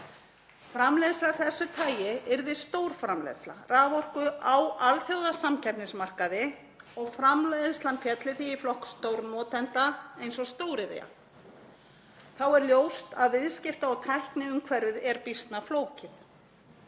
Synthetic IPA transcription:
fɾamlɛjðstlaθɛsːʏt̪ʰaːjɪɪɾðɪst̪owɾ̥fɾamlɛ̰ðst̪la̰raːvɔr̥kʏʔawalθjowðasamcʰɛpnɪsmar̥kaðɪ | ɔɣfɾamleðst̪lanfjɛt̪lɪθiːflɔhkst̪owɾnɔːt̪ɛnt̪aejnsɔst̪oːwɾɪðḛja̰ | θawɛɾljowst̪aðvɪðscɪft̪aɔɣt̪ʰajhknɪʏmkʰvɛɾʏðɛɾpist̪nafloːwcɪθ

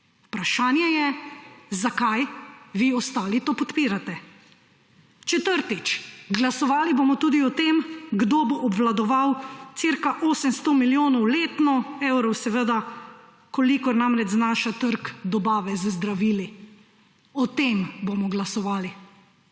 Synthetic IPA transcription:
upɾaʃaːnjɛjɛzakajʋiɔst̪aːlit̪oːpɔt̪piːɾat̪ɛ | t͡ʃɛt̪əɾt̪it͡ʃɡlasɔʋaːliboːmɔt̪uːd̪iɔt̪emɡd̪oːboʔːbʋlad̪ɔʋawt̪siɾkaʔoːsəmst̪ɔmiljoːnɔwleːt̪nɔewɾɔwsɛʋəd̪a | kɔlikɔɾnamɾɛd͡ʒznaːʃat̪əɾkd̪ɔbaːʋɛzzd̪ɾaʋiːli | ɔt̪embomɔɡlasɔʋaːli

